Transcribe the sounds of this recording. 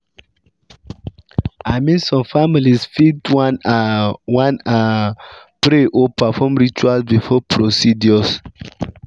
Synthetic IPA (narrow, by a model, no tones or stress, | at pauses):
aɪmĩnsɔ̃mfamilisfitn | wãna | pɾeʔɔpafɔmɹit͡ʃualsbifɔpʰɾosidjɔs